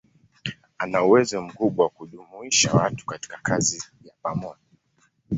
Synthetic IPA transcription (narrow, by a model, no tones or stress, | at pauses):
anauwɛzɔm̩kuɓwawakuɗumuiʃawatu̥kati̥kakʰazijapamɔa